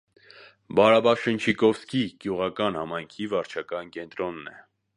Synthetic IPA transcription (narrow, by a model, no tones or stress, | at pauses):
bɑɾɑbɑʃənt͡ʃʰikɔfskiɡ̥juʁɑkɑnhɑmɑjŋkʰivɑɾt͡ʃʰɑkɑnkɛnt̪ɾɔnːɛ̰